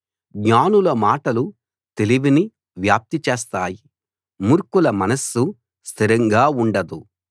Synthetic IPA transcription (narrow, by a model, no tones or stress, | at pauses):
ɡɲaːnulɐmaːʈɐlu | t̪e̞liʋini | ʋjaːp̚t̪it͡ʃeːst̪aːji | muɾkulɐmɐnɐsu | st̪ʰiɾɐŋɡaːuɳɖɐd̪u